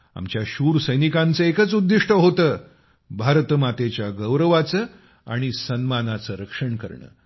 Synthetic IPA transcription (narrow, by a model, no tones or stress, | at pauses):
a̰mt͡ɕjaɕuːɾsəjnikãnt͡səekət͡sud̪ːiʂʈʰəɦot̪əː | bʱaɾt̪əmat̪et͡ɕjaɡəwɾəʋat͡səː | a̰ɽ̃isənmanat͡səɾəkʂəɳkə̰ɾɳə̰ː